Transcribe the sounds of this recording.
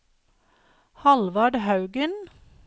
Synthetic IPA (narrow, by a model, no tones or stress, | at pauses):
hɑlʋɑɖhɑʉɡən